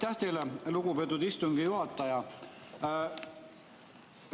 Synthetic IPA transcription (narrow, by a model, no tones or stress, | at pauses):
t̪ːæht̪eleluɡ̥upet̪ːˑud̪ist̪uŋɡ̥ijuɦɑt̪ːˑɑjɑ